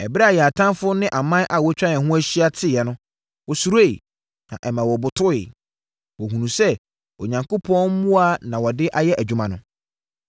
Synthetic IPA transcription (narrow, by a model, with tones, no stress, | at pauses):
ɛ˨bɪ˦ɾa˨jɛ˨a˨tʰã˦mfʊ˦nɪ̃˦ʔa˨mã˦ʔa˨wɔ˦t͡ɕᶣɾã˦nɛ̃˨ɦʊ̃˦æ˦ɕi˦a˦tʰɪ˦jɛ˨nʊ̃˦ | wɔ˨su˨ɾe˦i˨ | nã̰˨ʔɛ˨mã˨wɔ˨bʊ˨tʰʊ˦ɪ̰˨ | wɔ˨ɦũ˨nũ˨sɛ˦ | ɔ˨ɲã˨ŋko˦pʰɔ̃˦mũ˦a˦nã˨wɔ˨dɪ˦ʔa˦jɛ˦ʔæ˨d͡ʑᶣu˦mã˨nʊ̃˦